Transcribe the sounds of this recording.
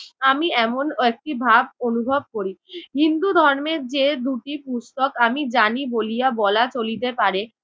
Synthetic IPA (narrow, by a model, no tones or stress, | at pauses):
amiɛmonek̚ʈibʱabonubʱob̚koɾiɦind̪ud̪ʱɔɾmeɾd͡ʑed̪uʈipusʈokamid͡ʑanibolijabɔlat͡ɕolit̪epaɾe